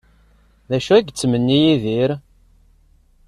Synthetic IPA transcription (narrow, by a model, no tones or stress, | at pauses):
ðæʃuæɡt͡sːmənːijiðiɾ